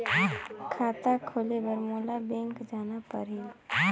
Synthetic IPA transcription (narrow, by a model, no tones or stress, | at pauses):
kʰaːt̪akʰoːlebəɾmoːlabɛ̃ŋkd͡ʒaːnapəɾeːl